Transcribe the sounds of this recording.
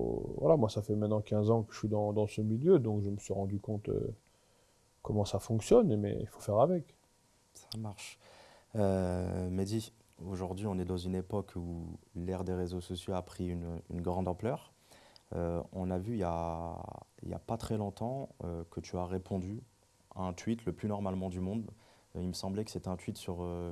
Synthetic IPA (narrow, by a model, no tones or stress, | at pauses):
vwa̰lamwasafɛmɛ̃t̪nɑ̃kʲɛ̃zɑ̃kə̥ʒəfɥid̪ɑ̃d̪ɑ̃səmiljød̪ɔ̃kʒəməsɥiʁɑ̃d̪ykɔ̃t̪ø̰ | kɔmɑ̃safɔ̃ksjɔnmɛ̰ḭfo̥fɛʁavɛk | samaʁʃ | ømed̪i | oʒuʁd̪ɥiɔ̃nɛd̪ɑ̃zynepɔkʰulɛʁd̪eʁezosɔsjoapχiyny̰nɡʁɑ̃d̪ɑ̃plœːʁ | ø̰ɔ̃navyilja | ḭlja̰pat̪χɛlɔ̃t̪ɑ̃ø̰kət̪ʰyaʁepʰɔ̃d̪y | aɛ̃t̪ɥit̪ləplynɔʁmalmɑ̃d̪ymɔ̃d̪ | ilməsɑ̃blɛkə̥set̪ɛɛ̃t̪ɥit̪syʁø